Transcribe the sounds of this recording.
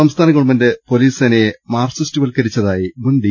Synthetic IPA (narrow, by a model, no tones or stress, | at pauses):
ɐmst̪ʰaːnɐkːɐɭmɐndepo̞liːsɐnemaːrsɐstiʋɐlkɐɾit͡ɕːɐðaːjibunɖi